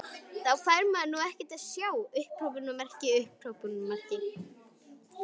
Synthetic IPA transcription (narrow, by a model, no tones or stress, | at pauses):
θawkʰvaɾmaðnuːɛhcɛt̪aðsjaːwʏhpɾowpʏnɔmɛr̥cɪʏhpʰɾ̥owpʏnmḁc̪ɪ